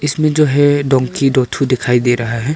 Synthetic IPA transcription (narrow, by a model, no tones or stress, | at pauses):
ɪsmẽd͡ʒoːɦɛɖɔ̃ːŋkiɖɔːt̪ʰud̪ɪkʰaːid̪eɾɐɦaɦɛ